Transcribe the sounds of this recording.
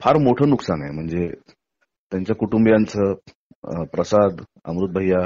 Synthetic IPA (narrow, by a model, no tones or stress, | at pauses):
fʰaɾmoʈʰəːnuksana̰m̤əɳd͡ze | t̪jaɲt͡ɕjakuʈumbjant͡sə | pɾəsad̪ | ə̰mɾut̪̚bʱəja